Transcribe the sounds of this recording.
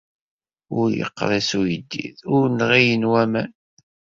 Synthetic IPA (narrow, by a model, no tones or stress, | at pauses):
ʊɾjə̰qːɾˤæsujəd̪ːḭðʊɾnʁijənwæmæn